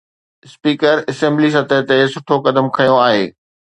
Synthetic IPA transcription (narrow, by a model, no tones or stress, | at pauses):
spiːkəɾɐsẽːmblis̬ɐt̪ət̪esʊʈʰokɐd̪əmkʰɐjõaːɦeː